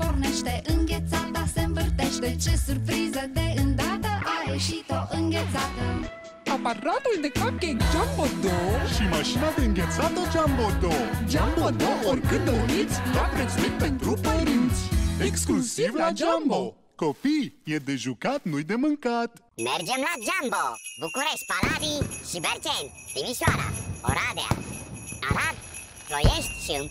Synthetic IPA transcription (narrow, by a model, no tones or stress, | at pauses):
porneʃt̪eʔɨŋɡʲet̪sat̪̚d̪aseɱvɨrt̪eʃt̪et͡ʃesurpɾizəd̪eɨnd̪at̪əʔajeʃit̪oʔɨŋɡʲet̪sat̪ə | apaɾat̪ulnekakked͡ʒambod̪oʃimaʃinad̪eɨŋɡʲet̪sat̪od͡ʒambod̪od͡ʒambod̪oorkɨnd̪onit̪sʲlapɾespik̚t̪et̪ɾupːəɾɨnt̪sʲeksklusivlad͡ʒambo | kopijed̪eʒukat̪nujd̪emɨŋkat̪ | merd͡ʒemlad͡ʒambobukuɾeʃt̪̚ʲpalad̪iʃibeɾt͡ʃent̪d̪imisjoaɾa̰o̰ɾad̪ea̰a̰ɾad̪ | pɾojeʃt̪ʲʃim